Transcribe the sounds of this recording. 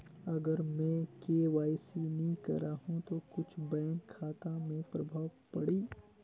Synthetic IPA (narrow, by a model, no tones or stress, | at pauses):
ɐɡəɾmɛ̃keːʋaːjsinɐĩkɐ̰ɾaːhũt̪okʊt͡ʃʰbɛ̃ːŋkʰːaːt̪ãmẽpɾɐbʱaːʋpɐɽiː